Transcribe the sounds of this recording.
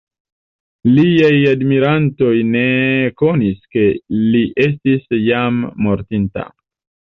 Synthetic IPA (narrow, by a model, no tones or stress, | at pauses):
liajadmiɾanto̞jne̞ko̞niske̞liʔe̞s̬tisjamːo̞ɾtinta̰